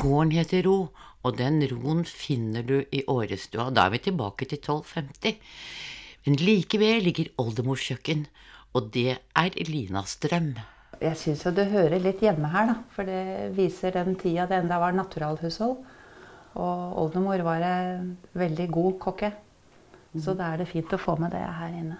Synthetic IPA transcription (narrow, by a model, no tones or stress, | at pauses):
ɡ̥oːəɳheːt̪əɾuː | ɔd̪ɛnɾuːənfɪnːəɖʉʔɪʔoːɾəst̪ʉ̰ːɑd̪ɑ̰ːæ̰ɾʋɪt̪ʰɪlbɑ̰ːkət̪ʰɪlt̪ʰɔlːfɛmt̪ɪ | mɛnliːkəʋɛlːɪɡːəɾɔld̪əmuːʂçœkːən | ɔd̪ɛʔæɾliːnɑ̰st̪ɾœm | jæɪsʏnsjʊd̪ɛɦøːɾəɭɪt̪ːjɛmːəɦæːɖɑfɔɖɛʋiːsəɖɛnt̪ʰiːɑd̪ɛɛnd̪ɑʋɑɾnɑt̪ʉɾɑːlhʉːshɔl | ʔɔɔ̰ld̪əmuːɾʋɑːɾəʋɛld̪ɪɡuːkʰɔkːə | sɔd̪ɑæɖɛfiːnt̪ɔfo̰ːmɛd̪ɛ̰ɦæːɾɪnːə